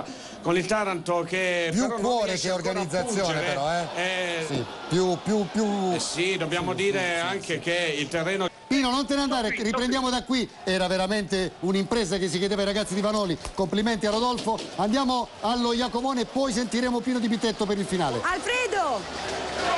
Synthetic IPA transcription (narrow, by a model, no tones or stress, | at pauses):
konilt̪aɾant̪okepjukːwɔːɾekeorɡanid̪zːat̪sːjoːnepeɾɔɛɛsi | pjupjupjusid̪objaːmod̪iːɾeaŋkʰekeilt̪erːeːnopiːnonont̪enand̪aːɾeripɾẽnd̪jaːmod̪akːwi | ɛːɾaveɾament̪eunimpɾeːzakesːiked̪eːvaiɾaɡat̪sːid̪ivanɔːlikompliment̪iarːod̪ɔlfoand̪jaːmoalːojakovoːneːpːɔjs̬ent̪iɾeːmopiːnod̪ibit̪ːet̪ːopeɾilfinaːlḛalfɾiːd̪o